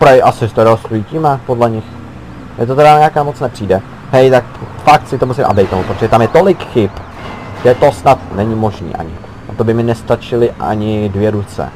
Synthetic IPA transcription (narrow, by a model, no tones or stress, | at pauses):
pɾaiʔasɪst̪ɛɾoost̪ujiːcimapodlɛɲɪx | mɛt̪oɛɾaɲɛakaːmot͡snɛpr̝̥iːdɛ | hɛjt̪akfak̚t̪sɪt̪omusɪmʔa̰bdɛjt̪̚omupɾot̪oʒɛt̪amjɛt̪o̞lɪkxɪp | ɡʒ̥ɛt̪o̞snat̪nɛɲɪmo̞ʒnḭːʔa̰ɲɪ̰ | ʔat̪o̞bɪmɪnɛst̪at͡ʃɪlɪʔa̰ɲɪdvjɛɾut͡sɛ̰